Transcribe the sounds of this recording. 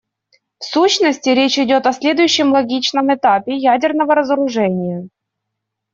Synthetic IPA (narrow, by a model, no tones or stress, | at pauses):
fsuɕnəsʲtʲɪɾʲet͡ɕɪdʲo̞t̪ɐsʲlʲe̞d̪ʊjʉɕːɪmlˠɐɡʲit͡ɕnəmɨt̪apʲɪjædʲɪrnəvəɾəzəɾʊʐɛnʲɪjə